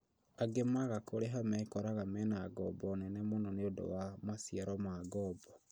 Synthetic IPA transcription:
aɡemaɣakoɾeɦamɛkɔɾaɣamɛnaɡɔbɔnɛnɛmonɔneodo̰wamasiaɾɔmaːɡɔːbɔ

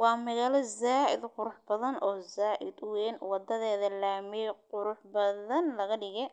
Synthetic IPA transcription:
wɑːmɐɣaːlɐzaːʔɪ̰d̪qʊɾʊħbɐðɐnʔɔːzaːʔɪd̪wɛːnwɑd̪ɐðɛːðɐlaːmiqʊɾʊħbɐðɐnlɐɣɐɖɪɣɛ

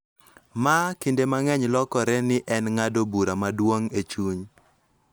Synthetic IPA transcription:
makindemaŋɛɲlɔkɔɾɛnɪʔɛnŋadobuɾamadwoŋet͡ʃuɲ

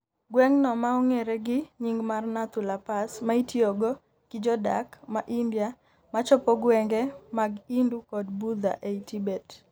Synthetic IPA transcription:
ɡwɛŋnɔmaɔŋeɾeɡɪɲiŋɡmarnat̪ulapasmaitioɡo | kɪd͡ʒɔda̰kmaʔindja | mat͡ʃɔpɔɡwɛŋɡɛmaɡindukɔdbud̪a̰ʔeitibet

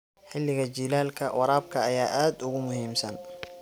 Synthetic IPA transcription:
ħɪlːɪɣɐt͡ʃiːlaːlkʰɐwɑɾaːb̚kʰɐɐjaːʔaːd̪ʊɣʊmʊhiːmsɐn

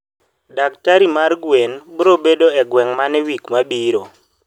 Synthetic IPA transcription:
daktaɾimarɡwenbɾobedoɛɡwɛŋmanɛwikmabiɾo

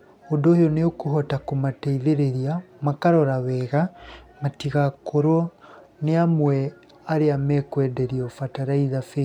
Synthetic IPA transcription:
ondoːhejɔneokuɦɔtakomatɛiðeɾeɾiamakaɾɔɾawɛɣamatiɣakoɾɔ | neamwɛ | aɾeamɛkwɛdɛɾiɔfataɾaiðafe

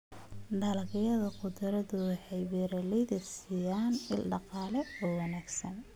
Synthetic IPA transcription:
ɖɐlɐɣɪjɐðɐqʊd̪ɐɾɐðʊwɑħɑjwɛːɾɐlɛjðɐtsiːjaːnɪ̰lɖɑqɑːlɛɔːwɑnaːɡsɐn

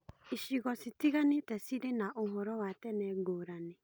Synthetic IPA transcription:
iʃiɣɔsitiɣanetɛsiɾenaʔomɔɾɔwatɛnɛɡoːɾanɛ

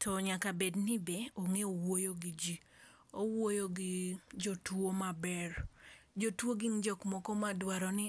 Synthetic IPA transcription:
tʰɔɲakabednibeoŋeowojoɡid͡ʒi | owwojoɡɪd͡ʒotwomabɛrd͡ʒotwoɡɪnd͡ʒɔkmɔkɔmadwaɾɔnɪ

